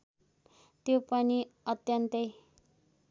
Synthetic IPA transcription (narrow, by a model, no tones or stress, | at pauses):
t̪jopʌniʌt̪jʌnt̪ʌj